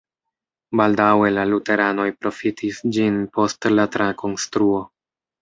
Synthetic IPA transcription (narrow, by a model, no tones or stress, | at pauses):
baldawe̞lalute̞ɾano̞jpɾo̞fitʰisd͡ʒinpo̞stlatɾako̞nstɾuo̞